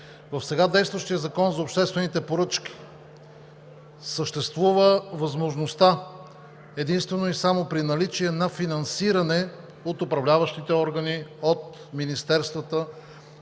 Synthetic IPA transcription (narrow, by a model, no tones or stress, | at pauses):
vɐfsɛɡad̪ɛjst̪vəʃt̪ijəzɐkɔnzɐopʃt̪ɛst̪vɛnit̪ɛpoɾɤt͡ʃk̟i̥ | səʃt̪ɛst̪vuvəvɐzmoʒnost̪a | ɛd̪inst̪vɛnoisamopɾinɐlit͡ʃiɛnɐfinɐnsiɾɐnɛ | ot̪ʊpɾɐvlʲavəʃt̪it̪ɛɔɾɡəniot̪ | minist̪ɛɾst̪vət̪ə